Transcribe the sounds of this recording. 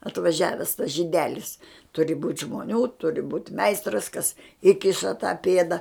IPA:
ɐtʋɐˈʒʲæːʋʲɛs tɐs ʒʲiːˈdʲæːlʲɪs ˈtʊrʲɪ buːtʲ ʒmoːˈnʲuː ˈtʊrʲɪ buːtʲ ˈmʲɛɪstrɐs kɐs ˈiːkʲɪʃɐ tɑː ˈpʲeːdɐ

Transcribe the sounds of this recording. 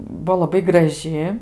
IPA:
ˈbuɔ lˠɐˈbɐɪ ɡrɐˈʒʲɪ

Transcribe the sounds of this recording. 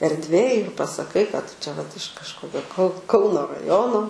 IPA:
ɛrʲdʲˈʋʲeːj ɪr pɐsɐˈkɐɪ kɐt ˈtʊ t͡ʃʲɛ ʋɐt ɪʃ kɐʃˈkoːkʲoː kɐʊ ˈkɐʊnoː rɐˈjoːnoː

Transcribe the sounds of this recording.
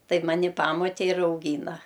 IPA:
ˈtɐɪp mɐˈnʲɪ ˈpɑːmoːtʲeː ɪr ɐʊˈɡʲiːnɐ

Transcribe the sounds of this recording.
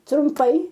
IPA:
trʊmˈpɐɪ

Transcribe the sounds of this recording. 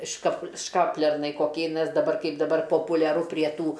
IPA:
ʃkɐp ˈʃkɑːpʲlʲɛrnɐɪ koːˈkʲɛɪ nʲɛs dɐˈbɐr ˈkɐɪp dɐˈbɐr poːpʊlʲɛˈrʊ pʲrʲiɛ ˈtuː

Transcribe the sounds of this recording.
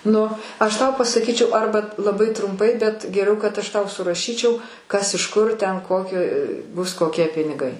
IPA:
ˈnʊ ɐʃ ˈtɐʊ pɐsɐˈkʲiːt͡ʃʲɛʊ ˈɐrbɐ lˠɐˈbɐɪ trʊmˈpɐɪ bʲɛt ɡʲɛˈrʲɛʊ kɐt ˈɐʃ ˈtɐʊ sʊrɐˈʃʲiːt͡ʃʲɛʊ ˈkɐs ɪʃ ˈkʊr tʲɛn ˈkoːkʲɪ bʊs koːˈkʲiɛ pʲɪnʲɪˈɡɐɪ

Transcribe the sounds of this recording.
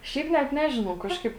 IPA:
ˈʃʲɛɪp nʲɛt ˈnʲæːʒʲɪnɐʊ ˈkɑːʃkɐɪp

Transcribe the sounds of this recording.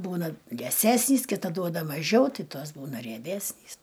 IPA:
ˈbuːnɐ lʲiɛˈsʲæːsʲnʲiːs kʲɪˈtɐ ˈduɔdɐ mɐˈʒʲɛʊ ˈtʲɪ ˈtoːs ˈbuːnɐ rʲiɛˈbʲæːsʲnʲiːs

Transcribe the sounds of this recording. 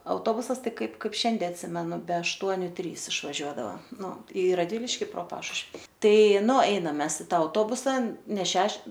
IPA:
ɐʊˈtoːbʊsɐs ˈtɐɪ ˈkɐɪp ˈkɐɪp ˈʃʲɛnʲdʲɛ ɐtʲˈsʲɪmʲɛnʊ bʲɛ ɐʃˈtuɔnʲʊ ˈtʲrʲiːs ɪʃʋɐˈʒʲuɔdɐʋɐ ˈnʊ ɪ rɐdʲˈʋʲɪlʲɪʃʲkʲɪ proː ˈpɑːʃʊʃʲʋʲɪ ˈtɐɪ ˈnʊ ˈɐɪnɐm ˈmʲɛs ɪ ˈtɐ ɐʊˈtoːbʊsɐ nʲɛ ˈʃʲɛʃ

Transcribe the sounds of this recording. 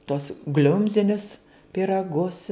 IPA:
tuɔs ˈɡlʲʊmʲzʲɪnʲʊs pʲiːrɐˈɡʊs

